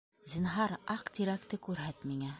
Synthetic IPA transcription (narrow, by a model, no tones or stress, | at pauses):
zʲinɦɑɾɑqt̪ʲiɾækt̪ɘkʉɾɦæt̪miŋæ